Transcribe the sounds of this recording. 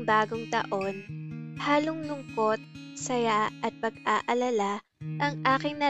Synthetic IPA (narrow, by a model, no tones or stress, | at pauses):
baːɡoŋt̪ɐ̰ʔo̞nhaːlʊŋlʊŋko̞t̪̚sɐjaʔɐt̪̚pɐɡ̚aːʔɐlɐla | ʔɐŋʔaːkɪŋnɐ